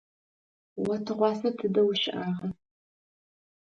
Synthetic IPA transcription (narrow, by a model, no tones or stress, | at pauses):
wɐtʰɨʁʷɑːsɐtʰɨdɐwʃɪʔaːʁɐ